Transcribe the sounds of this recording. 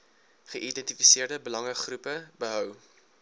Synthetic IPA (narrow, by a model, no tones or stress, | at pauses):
χəʔidɛntifiseərdəbəlɐŋəχrupəbəɦœw